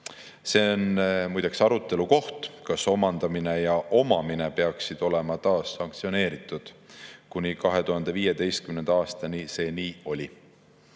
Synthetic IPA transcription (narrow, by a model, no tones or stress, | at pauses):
se̞ːonmujd̪̥ɑksɑɾut̪ːˑe̞luko̞ht̪kɑso̞mɑnd̪̥ɑmine̞jɑʔo̞mɑmine̞pe̞ɑksid̪̥o̞le̞mɑt̪ɑːsːɑŋkt̪sio̞ne̞ːɾit̪ˑud̪̥kunʲikɑɦe̞t̪uhɑnd̪̥e̞viːje̞d̪e̞jst̪̚kymnend̪ɑɑːst̪ɑnise̞ːniːo̞lʲi